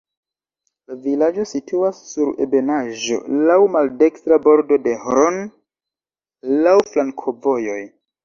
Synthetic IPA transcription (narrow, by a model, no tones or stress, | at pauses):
lavilad͡ʒo̞sitʰuasːuɾe̞̰be̞naʒo̞̰lawmalde̞kstɾabo̞ɾdo̞de̞hɾon | lawflaŋkʰo̞vo̞jo̞j